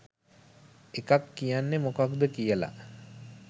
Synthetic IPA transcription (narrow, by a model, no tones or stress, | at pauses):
ekakːijanːemokakd̪əkijəla̰